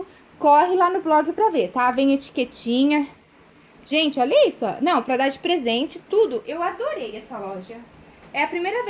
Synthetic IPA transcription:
ʊ | kɔɦɪlanʊblɔɡɪpɾɐvet̪avẽj̃et͡ʃi̥ket͡ʃĩɲɐ | ʒ̥ẽnt͡ʃɪɔleisʊɔ̰nɐ̃w̃pɾɐd̪ad͡ʒɪpɾezẽnt͡ʃɪt̪ud̪ʊʔewad̪oɾejɛsɐlɔʒɐ | ɛɐpɾimejɾɐve

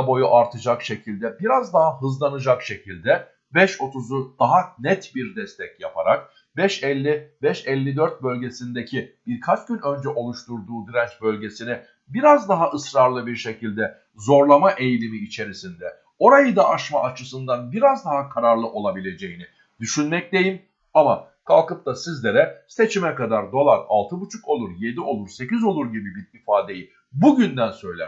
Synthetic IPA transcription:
bo̞juʔaɾt̪ʰɯd͡ʒakʃe̞cʰilʲd̪ɛbiɾazd̪aɦaɦɯzlˠanɯd͡ʒakʃe̞cʰilʲd̪ɛ | bɛʃo̞t̪ʰuzud̪̥aɦanɛt̪biɾd̪ɛst̪ʰɛcjapʰaɾak̚ | bɛʃɛlʲːibɛʃɛlʲːid̪øɾt̪̚bø̞lʲɟe̞sind̪ecʰib̥iɾkʰat͡ʃɟynø̞nd͡ʒɛʔo̞lˠuʃt̪uɾd̪uːd̪iɾɛnt͡ʃbø̞lʲɟe̞sinɛ | biɾazd̪aɦaʔɯsɾaɾlˠɯbiɾʃe̞cʰilʲd̪ɛ | zo̞ɾlˠamaʔe̞jlʲimiːt͡ʃʰe̞ɾisind̪ɛ | o̞ɾajɯd̪aaʃmaʔat͡ʃʰɯsɯnd̪anbiɾazd̪aɦakʰaɾaɾlˠɯʔo̞lˠabilʲe̞d͡ʒe̞jini | d̪̥yʃynmɛc̚lʲe̞jim | ama | kʰalˠkɯp̚t̪ʰasizlʲe̞ɾɛse̞t͡ʃʰimɛkad̪aɾd̪o̞lˠaɾa̰lˠt̪ʰɯbut͡ʃʰuko̞lˠuɾje̞d̪io̞lˠuɾse̞cizo̞lˠuɾɟibibiɾifaːd̪e̞ji | buɟynd̪ænsø̞jlʲæ̰ɾ

